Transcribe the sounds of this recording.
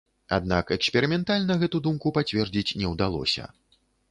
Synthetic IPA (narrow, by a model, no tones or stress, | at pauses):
a̰d̪̚na̰kɛksʲpʲɛɾɨmʲɛnt̪alʲnɐɣɛt̪ud̪umkupat͡sʲvʲɛrd͡zʲit͡sʲnʲɛwd̪alˠɔ̰sʲɐ̰